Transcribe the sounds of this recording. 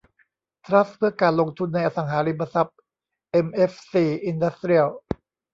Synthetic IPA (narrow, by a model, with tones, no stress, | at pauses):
t̪ʰɾa˦˥spʰɯ˥˩ɐkaː˧nlo˧ŋt̪ʰu˧nːa˧jʔa˧˩sa˩˦ŋɦaː˩˦ɾi˧mba˧sa˦˥p̚ | ʔe˧mʔe˦˥fsiː˨˩ʔi˧nda˦˥st̪ɾi˥əl